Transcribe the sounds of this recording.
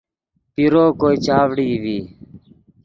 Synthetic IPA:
piɾoːkoːiːt͡ʃaːʋɽiːʋiː

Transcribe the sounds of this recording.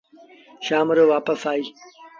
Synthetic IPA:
ɕaːmɾowaːpɐsaːi

